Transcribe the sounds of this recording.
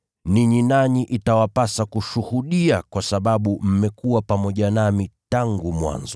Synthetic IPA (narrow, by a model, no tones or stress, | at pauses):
niɲinaɲiʔitawapasakuʃuhuɗiakwasaɓaɓum̩mɛkuwapamɔʄanamitaŋɡumwa̰nzɔ